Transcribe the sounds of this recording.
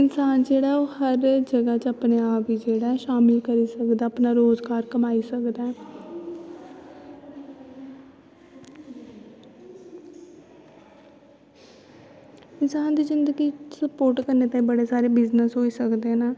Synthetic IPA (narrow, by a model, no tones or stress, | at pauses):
ɪnsaːnd͡ʒeːɽaːɛoːhəɾd͡ʒəɡaːt͡ʃəpneaːpiːd͡ʒeːɽaːɛʃaːmɪlkəɾiːsəkd̪aːəpnaːɾoːzɡaːɾkəmaːiːsəkd̪aːɛː | ɪnsaːnd̪iːzɪ̃nd̪əɡiːsəpoːɾʈkəɾneːt̪ãibəɽeːsaːɾeːbɪznəsɦoːiːsəkd̪enaː